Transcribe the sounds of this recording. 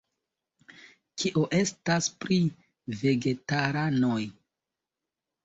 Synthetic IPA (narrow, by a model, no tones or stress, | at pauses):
kʰiʔoʔe̞staspɾi | ve̞ɡe̞taɾano̞j